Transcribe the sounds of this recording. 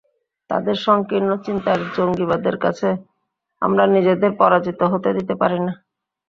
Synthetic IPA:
t̪a̰d̪eɾʃɔŋkinːot͡ɕint̪aɾd͡ʑoŋɡiβad̪eɾka̰t͡ɕʰe | a̰mɾanid͡ʑed̪eɾpɔɾad͡ʑit̪oɦot̪ed̪it̪epaɾina

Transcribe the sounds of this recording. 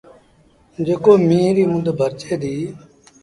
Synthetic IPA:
d͡ʒeːkoːmĩːɾiːmʊnd̪bʱəɾt͡ʃeːd̪iː

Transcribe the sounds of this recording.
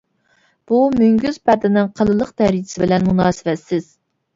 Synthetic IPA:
b̥umyŋɡʲyz̥pæd̪ɪnɨŋqʰəlˠɨlˠəqt̪ʰɛɾi̥sɪbɪlɛnmunɑːsɨvɛt̪sːɪz̥

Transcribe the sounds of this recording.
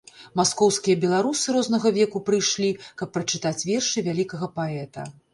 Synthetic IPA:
maskɔwskʲijɐbʲɛlˠaɾusɨɾɔznɐɣɐvʲɛkupɾɨjʂlʲikɐpːɾɐt͡ʂɨt̪at͡sʲvʲɛrʂɨvʲalʲikɐɣɐpaɛt̪ɐ̰

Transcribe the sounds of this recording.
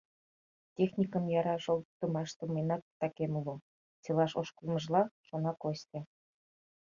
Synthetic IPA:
tʲexnʲikə̆mjɑɾɑʒolt̪ːumɑʃt̪əmejnɑt̪ːɑkʲemulu | t͡selɑʃoʃkulˠmə̆ʒlɑʃonɑkost̪ʲĕ

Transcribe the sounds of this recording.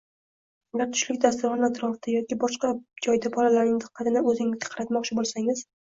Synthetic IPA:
ʊɡʲaɾt̪ʰʊ̥ʃlɪk̚ʲd̪ast̪ʊɾχɒnat̪ɾɒft̪ʰajɒkʲɪbɒʃqɑd͡ʒɒjd̪abɒlalaɾnɪɪŋt̪ʰɨ̥qʰːɑt̪ʰɪnɪɵzɪŋʲɪzɡʲḁqʰɑɾat̪mɒqt͡ʃʰɪbolˠsaŋɪz̥

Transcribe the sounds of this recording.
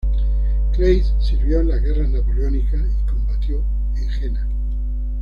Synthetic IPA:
kɾejssiɾβjoenlazɣe̞ranapoljonikaikõ̞mbat̪jo̞ | eŋxena

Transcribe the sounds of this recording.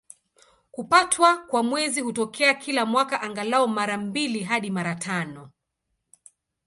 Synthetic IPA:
kupatʰwakwamwɛzihutɔkʰɛakʰilamwakaʔaŋɡalaɔmaɾambiliɦaɗimaɾatʰanɔ

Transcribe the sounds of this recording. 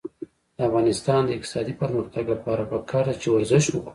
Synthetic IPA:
d̪̥əafɣɑnɪst̪ɑnd̪əɪq̚t̪ɪ̥sɑd̪ipəɾməxt̪aɡlapɑɾapəkʰɑɾd̪at͡ʃewaɾzɪʃwʊk

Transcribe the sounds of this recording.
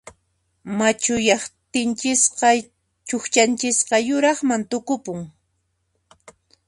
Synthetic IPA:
mat͡ʃʊjɑχt̪ɪnt͡ʃɪsqɑ | t͡ʃʊxt͡ʃant͡ʃɪsqɑjʊɾɑχmant̪ʊkʊpʊŋ

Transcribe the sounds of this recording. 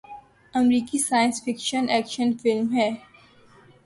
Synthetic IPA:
ɐmɾiːkisaːjə̃nsfɪkʃənɛːkʃənfɪlmɦɛː

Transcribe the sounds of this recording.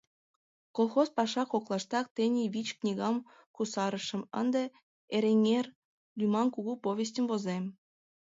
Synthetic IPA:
kolˠxospɑʃɑkoklˠɑʃt̪ɑk̚t̪enʲeβʲit͡ɕknʲiɣɑm | kusɑɾə̆ʃə̆mə̰nd̪ĕ | eɾʲeŋʲer | lʲymɑnkuɣupovʲes̬ʲtʲə̆mvozem

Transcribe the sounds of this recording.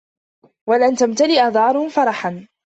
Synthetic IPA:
walant̪amt̪alɪʔad̪ˤɑːɾˤʊfɑɾˤɑħan

